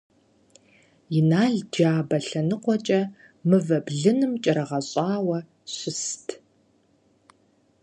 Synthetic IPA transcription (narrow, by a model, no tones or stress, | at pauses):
jɪnaːɮd͡ʒaːbɐɬɐnɨqʷɔt͡ʃʼɐ | mɨvɐbɮɨnɨmt͡ʃʼɐɾɐʁɐɕʼɑːwɐ | ɕʷɪstʰ